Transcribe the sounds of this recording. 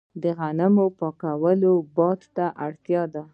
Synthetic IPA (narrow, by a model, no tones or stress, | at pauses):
d̪əɣanamopɑkawəlobɑd̪t̪aʔaɽt̪jɑd̪a